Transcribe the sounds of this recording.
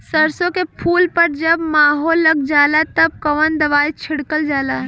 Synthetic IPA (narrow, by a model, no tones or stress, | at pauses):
səɾsõkepʰuːlpəɾd͡ʒəbmaːɦoːlːəɡ̚d͡ʒaːlat̪ɐb̚kəʋənd̪əʋaːit͡ʃʰɪɽkəld͡ʒaːlaː